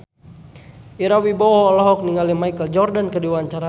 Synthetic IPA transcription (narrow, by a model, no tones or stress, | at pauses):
iɾawibɔɔːlɔɦɔk̚niŋalimajkəld͡ʒɔrdankəduwaːɲt͡ʃaɾa